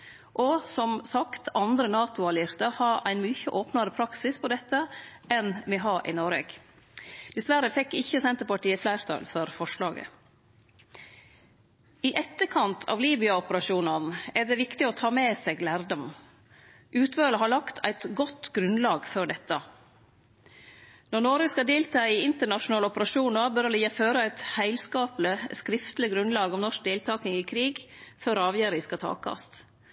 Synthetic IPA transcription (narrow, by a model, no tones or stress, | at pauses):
ʔɔsɔmsɑkt̪ɑnd̪ɾənɑːt̪ʊɑlɪɾt̪əhɑɾæ̰ɪnmyːçəʔoːpnɑɾəpʰɾɑksɪspʰɔd̪ɛt̪ːəʔɛnmɛɦɑːʔɪ̰nɔɾeːɡ̥ | d̪̥ɛsʋæɾəfɛkːɪçːəsɛnt̪əɾpɑʈiːəflæɪɾt̪ʰɑ̰lfɔɾfɔʂlɑːɡə̰ | ɪʔɛt̪ːəkʰɑnt̪ʰɑ̰ːʋliːbɪɑɔpəɾɑʃuːnɑnæɖɛʋɪkt̪ɪɔt̪ʰɑːmeːseːɡlæːɾɖɔm | ʔʉːt̪ʰʋøːləɦɑɭɑkt̪ʰæ̰ɪt̪ɡɔt̪ɡɾʉnlɑːɡfɔɖɛt̪ːɑ | nɔnoɾəskɑd̪eːlt̪ʰɑːɪɪnt̪əɳɑʃʊnɑːləɔpəɾɑʃuːnɑbœɾliːɑføːɾəæɪt̪hæɪlskɑːpləskɾɪft̪lɪɡɾʉnlɑːɡɔmnɔʂk̚d̪eːlt̪ʰɑːknɪŋɪːkʰɾiːɡføɾɑːʋjæːɾɪskɑt̪ʰɑ̰ːkɑ̰st̪